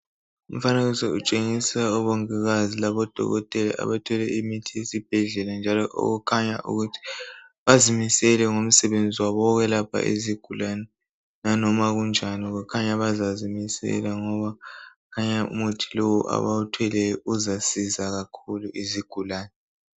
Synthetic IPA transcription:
um̩faneɣusɛut͡ʃʼeŋisaɔβoŋiɣazilaβɔd̥ʱɔ̰ɣɔ̰tʼɛla̰ʔa̰βatʰɔlɛimitʰiesib̥ʱɛɮɛland͡ʒʱalɔʔo̰ɣukʰaɲa̰ʔṵɣutʰi̥βazimisɛlɛŋom̩sɛβend͡zʱiwaβɔɣɛlapʰa̰ʔḭziɡ̥ʱulanɛ | nanɔmaɣund͡ʒʱaniɣukʰaɲaβazazimisɛ̰laŋɔβakʰaɲaṵmutʰi̥lowuʔa̰βautʰwɛlɛuzasizaɣakʰuluʔiziɡ̥ʱulaːnɛ

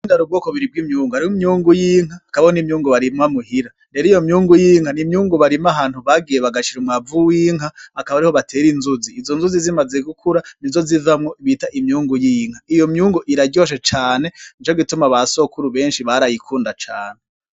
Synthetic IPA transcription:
indaɾub̚ɡoːkoβiɾib̚ɡimɲuːŋɡuhaɾihomɲuːŋɡujiːŋ̥aːkaβahonimɲuːŋɡuβaɾimamuhiɾande̞ɾijo̞mɲuːŋɡujiːŋhanimɲuːŋɡuβaɾimaɦaːn̥huβaɡije̞βaɡat͡ʃiɾumŋavuwiːŋ̥ɦaakaβaɾiho̞βatʰe̞ːɾinzuziːzo̞nzuzizimaze̞ɡukʰuɾanizo̞zivamŋo̞iβitaʔimɲuːŋɡujiŋ̥haijomɲuːŋɡuʔiɾaɟo̞ːʃ̬et͡ʃaːne̞nt͡ʃoɡitumaβaso̞kuɾuβe̞ːnʃiβaɾajikʰuːndat͡ʃa̰ːne

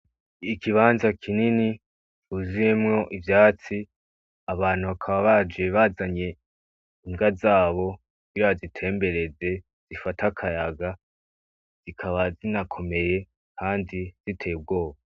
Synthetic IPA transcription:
ikʰiβaːnzakʰinini | t͡ʃuziemŋo̞ʔivjaːt͡si | aβaːn̥huβakʰaβaβad͡ʒe̞βazaɲe̞ | iŋɡazaːβo̞kuɡiɾaazitʰe̞ːmbe̞ɾe̞ze̞ | z̥ifatakʰajaɡa | z̥ikʰaβazinakʰo̞me̞je̞ | kʰaːndiz̥itʰe̞b̚ɡo̞ːβa

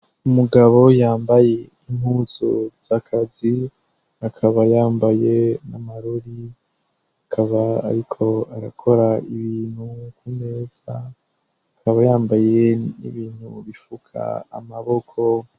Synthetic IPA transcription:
umuɡaβo̞jaːmbaje̞ | imhuːzo̰z̥akʰazi | akʰaβajaːmbaje̞namaɾoɾi | akʰaβa̰ːɾikʰo̞aɾakʰo̞ɾaiβiːn̥hukuneːz̥a | akaβajaːmbaje̞nḭβiːn̥hṵβifukʰa̰ːmaβo̞kʰo̞

